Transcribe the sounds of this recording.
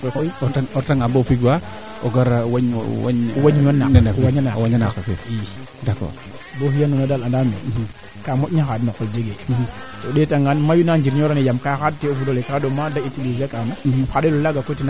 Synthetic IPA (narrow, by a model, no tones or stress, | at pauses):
kokoiaotaŋabofiɡwa | oɡaɾawaɲwa̰ɲwaɲwanːaawaɲanawaɲanakakḛ | dakɔ̰ɾ | bofijanunadaladame | kamotɲaxadnokold͡ʒeɡe | todetaŋɡanmajunand͡ʒiɾɲoɾanejamkaxad̚teofudolekadomadaitileziakanaxadelolaɡakotina